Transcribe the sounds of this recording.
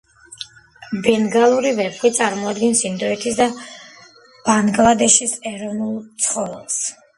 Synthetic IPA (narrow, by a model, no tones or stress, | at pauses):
bɛnɡalˠuɾivɛpʰχit̪sʼaɾmɔad̪ɡɛnsind̪ɔɛt̪ʰisd̪a | b̥aŋɡlˠad̪ɛʃisɛɾɔnulˠt̪sʰχɔvɛlˠs